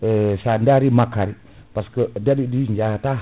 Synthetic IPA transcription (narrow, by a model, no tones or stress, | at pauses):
əsandaɾimakaɾi | paskədadidiɲd͡ʒat̪a